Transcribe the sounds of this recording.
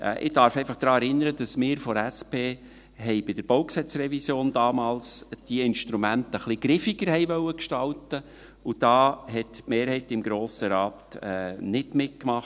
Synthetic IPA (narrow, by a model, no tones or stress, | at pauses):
ʔɛ̰ʔɪ̰d̥ɑɾfɛɪfɑχd̥ɾɑːɛɾɪnːəɾəd̥ɑsmɪːɾfɔɾæspeː | ɦɛɪbɪd̥əɾb̥owksɛt͡srɛvisjoːnd̥ɑːmɑːlsd̥iəɪnʃtɾumæntəχlɪɡ̥ɾɪfiɡ̥əɾhɛɪʋœwəkʃtɑltə | ud̥ɑːɦɛtmeːɾhɛɪtɪmɡɾoːsəɾɑːt̪ɛnɪtmɪt̚kmɑχt